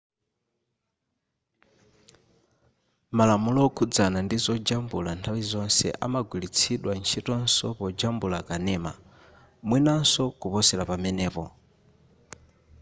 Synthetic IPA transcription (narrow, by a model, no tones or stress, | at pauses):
malamulɔkʰud͡zanandizɔd͡ʒambulantʰawizɔnsɛ̰ʔa̰maɡwilit͡sʰiɗwant͡ʃʰitɔnsɔ̰pɔd͡ʒambulakanɛːma̰ | mwinansɔkupɔsɛlapamɛnɛːpɔ